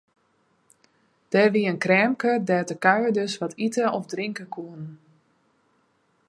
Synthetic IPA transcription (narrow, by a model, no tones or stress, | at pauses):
d̥ɛʋiənkrɛːmkədɛːtəkœɥədøsʋɔtʰitəɔfdriŋkəkʰuən